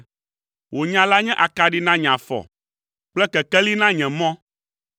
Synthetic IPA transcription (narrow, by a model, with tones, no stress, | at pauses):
wo˨ɲã˨la˦ɲɛ̃˦ʔa˨ka˨ɖi˦nã˦ɲã˨fɔ̰˨ | k͡plɛ˦kɛ˨kɛ˦li˦nã˦ɲɛ̃˨mɔ̃˦